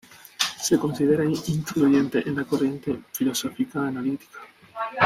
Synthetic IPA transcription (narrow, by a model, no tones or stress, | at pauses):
seko̞nsið̞eɾaiɱfluʝent̪eʔenlakorje̞nt̪efilo̞sofikaːnalit̪i̥kḁ